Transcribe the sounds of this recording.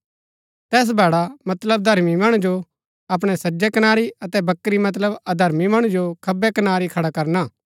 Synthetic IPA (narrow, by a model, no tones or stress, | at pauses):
t̪ɛːs̬bɛːɽamɐt̪ləb̚d̪ʱɐɾmimɐɽ̃ũd͡ʒo | ɐp̬ɽ̃ɛsɐd͡ʒɛkɐnaːɾiɐt̪ɛbɐkːɾimɐt̪̬ləbɐd̪ʱɐɾmimɐɽ̃ũd͡ʒokʰɐbɛkɐnaːɾikʰɐɽakɐɾnaː